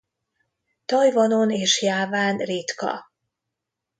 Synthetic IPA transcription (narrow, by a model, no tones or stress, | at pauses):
t̪ɒjvɒnoneːʃjaːvaːnrit̪kɒ̰